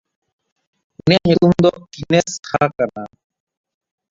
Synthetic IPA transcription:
uneːɦikumd̪oːkineskʰaːkɐnaː

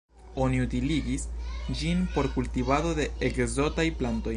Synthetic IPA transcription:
o̞niutiliɡisd͡ʒinpo̞ɾkultivado̞de̞ekzo̞tajplanto̞j

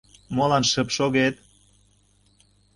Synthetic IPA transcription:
molɑnʃəpʃoɣet̪

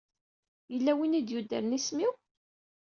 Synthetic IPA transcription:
jəlːæwinid̪jud̪ːə̰ɾnismiw

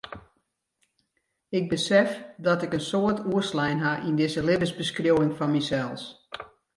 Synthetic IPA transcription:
ɪɡ̚bəsɛfdɔtɪkənsoətuəslɛjnɦaʔindɪzəlɪbəzbəskrjowɪŋfɔnmisɛlˠs

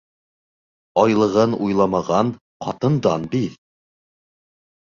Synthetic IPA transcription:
ɑjlˠɤ̆ʁɤnujlˠɑmɑʁɑn | qɑ̰t̪ɤ̆nd̪ɑnbið

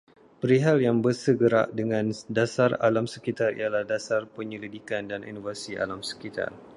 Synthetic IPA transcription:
pəɾiɦaljaŋbərsəɡəɾa̰ʔdəŋãndasara̰lamsəkit̪arḭalahdasarpəɲəlidikandanḭnovasia̰lamsə̥kit̪a̰r

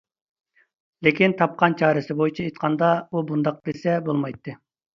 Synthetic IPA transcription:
lɪkʲint̪ʰɑp̚qɑnt͡ʃʰɑːɾɨsɪbojit͡ʃʰɛet̪̚qʰɑnd̪ɑubund̪ɑq̚d̪esɛbolˠmɑjt̪ːɨ

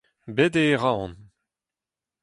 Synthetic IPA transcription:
bed̪eʁaɔ̃n

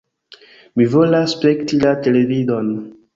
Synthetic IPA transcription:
mivolaspektilatelevidon

